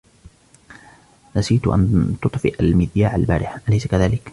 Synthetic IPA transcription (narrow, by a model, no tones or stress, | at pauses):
nasiːt̪ʔa̰nt̪ʊt̪ˤfɪʔalmɪðjaːʕa̰lba̰ːɾɪħʔalajsakaðaːlɪk